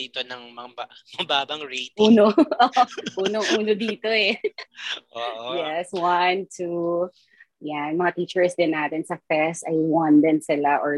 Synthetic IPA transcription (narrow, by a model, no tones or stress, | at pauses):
it̪onɐŋmɐbamɐbaːbɐŋɹejtʔuːnoʔoʔuːnoŋʔuːnod̪iːt̪oɛ | ʔoʔjɛswɐnt̪ʰu | jamɐŋat̪iːt͡ʃɛɹsd̪ɪnːaːt̪ɛnsɐfɛst̪ɐjwɐnd̪ɪnsɪlaʔɔɹ